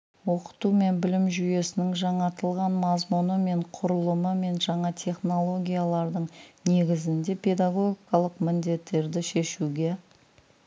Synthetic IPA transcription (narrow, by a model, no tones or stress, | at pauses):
wo̞qə̥t̪ume̞nbɪlɪmʒʏje̞sɪnɪŋʒɑɴɑt̪əlˠʁɑnmɑzmunəme̞ɴqʰʊɾəlˠəməme̞nʒɑɴɑt̪ʲʰe̞χno̞lˠo̞ɡʲijalˠɑɾd̪əɴne̞ɡʲɪzɪnd̪e̞pʲʰe̞d̪aɡo̞ɡʲikɑlˠəqmɪnd̪e̞t̪ːe̞ɾd̪ɪʃe̞ʃuɡʲe̞